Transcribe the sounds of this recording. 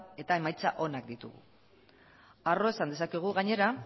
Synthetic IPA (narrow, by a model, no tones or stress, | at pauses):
e̞t̪ae̞majt͡saʔo̞nak̚d̪it̪ṵɣṵ | aro̞esand̪esakeɣ̞uɣaɲe̞ɾa